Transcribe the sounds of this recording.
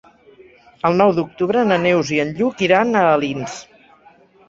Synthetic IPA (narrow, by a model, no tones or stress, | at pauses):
əlˠnɔwd̪uk̚t̪uβɾənənewziənʎukiɾanəːlins